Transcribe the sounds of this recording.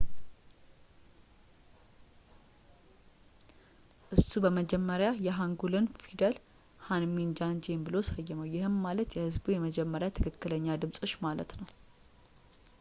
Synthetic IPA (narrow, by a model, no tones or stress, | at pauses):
ʔɨsːubəməd͡ʒɛmːəɾjajɛɦaŋɡulɨnfid̪əl | hanmind͡ʒand͡ʒembɨlosajːɛməwjɪhɨnmalət̪jɛhɨzbujɛməd͡ʒɛmːəɾjat̪ʰɨkʰɨkːɨləɲːad̪ɨmsʼoʃːmalə̰t̪nəw